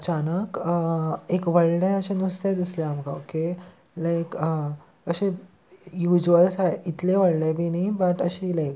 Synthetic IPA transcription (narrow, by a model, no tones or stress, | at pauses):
ət͡ɕanəkəekʋəɭɽẽəɕẽnust̪ed̪isleamkaoke | lajkə | əɕẽ | jud͡ʑəlsaɦeit̪lẽʋəɭɖẽbʱinĩbəʈəɕiːlajk̚